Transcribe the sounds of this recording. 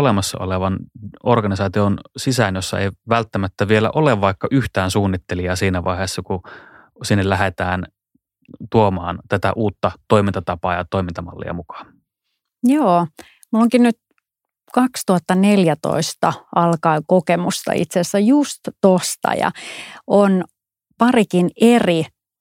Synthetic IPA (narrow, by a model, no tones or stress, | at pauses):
olemɑsːɑ̰ʔo̰leʋɑnorɡɑnisɑːt̪ionsisænjosːɑḛiʋælt̪ːæmæt̪ːæʋielæ̰ʔoleʋʋɑikːɑʔyht̪æːnsuːnːit̪ːeliɑːsiːnæʋɑiheːsːɑku | sinːellæɦet̪æːn | t̪uomɑ̰ːnt̪æt̪æʔuːt̪ːɑt̪oimint̪ɑt̪ɑpɑːjɑt̪oimint̪ɑmɑ̰lːḭɑ̰mukɑ̥ːn | joː | mulːoŋkinnyt̪ | kɑkst̪uhɑt̪ːɑneljæt̪o̰ist̪ɑʔɑlkɑikokemust̪ɑ̰ḭt̪sesːæjust̪t̪ost̪ɑ̰jɑ̰ʔon | pɑrikineri